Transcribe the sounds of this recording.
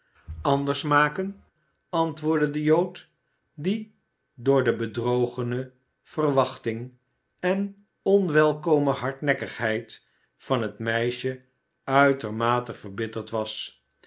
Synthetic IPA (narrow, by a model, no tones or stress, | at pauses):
ɑndəɹsmaːkən | ɑntʋʊːɹdədəjowt | di | dʊːɹdəbədrowχənə | v̥ərʋɑχtɪŋ | ɛn | ɔnʋɛlˠkowməɦɑɹtnɛkəχɦɛjt | fɑnɦətmɛjʃə | œɥtəɹmaːtəvəɹbɪtəɹtʋɑs